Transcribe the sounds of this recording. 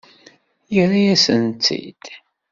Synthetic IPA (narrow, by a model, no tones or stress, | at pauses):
jəɾajæsənt͡sːḭd̪̥